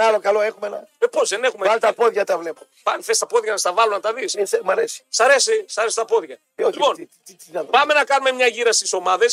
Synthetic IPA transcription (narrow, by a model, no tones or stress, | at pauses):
alokaloexumenɐepozðene̞xumealt̪ɐpoðʝɐt̪ɐvlepo | pɐnθest̪ɐpo̞ðʝɐnɐst̪ɐvɐlunɐt̪ɐðissmɐɾesi̥sɐɾe̞sisɐɾesi̥t̪ɐpo̞ðʝɐ | olimo̞n | iiɐpɐme̞nɐkɐnume̞mɲɐʝiɾɐst̪iso̞mɐðe̞s